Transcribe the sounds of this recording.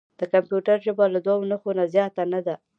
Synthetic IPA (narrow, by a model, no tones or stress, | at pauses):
d̪̥əkampjuʈaɾʒəbalad̪wɑwnəxonazjɑt̪anad̪a